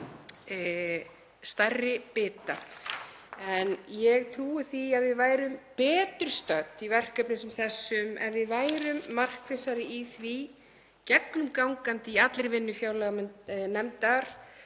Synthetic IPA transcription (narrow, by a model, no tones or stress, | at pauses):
st̪arːɪpɪːt̪a | ɛnjɛɣt̪ʰɾuːɪθiaðvɪðvaːjɾʏmpɛːt̪ʏɾ̥st̪œt̪ivɛr̥kœpnɪsɛmθɛsːʏmɛ̰nvɪðvaːjɾʏmːar̥kvɪsaɾɪiθvi | cɛknʏmkawŋkant̪ɪiat̪lɾɪvɪnːʏfjaːwlɛɣamnɛmt̪aɾ̥